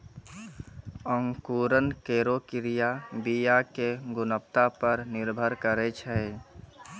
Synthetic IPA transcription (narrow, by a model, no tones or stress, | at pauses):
əŋkuːɾənkeːɾokɪɾijabijakeɡʊnəp̚t̪apəɾnɪɾbʱəɾkəɾet͡ʃʰɛe